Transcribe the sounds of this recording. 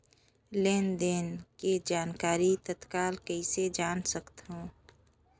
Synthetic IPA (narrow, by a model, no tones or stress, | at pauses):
leːnd̪eːnked͡ʒaːnkaːɾit̪ət̪kaːlkəised͡ʒaːnsəkt̪ɦõː